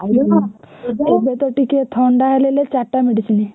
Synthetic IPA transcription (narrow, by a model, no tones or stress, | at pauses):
a | ebet̪ɔʈiket̪ʰɔɳɖaɦelelet͡ɕaʈːameɽisini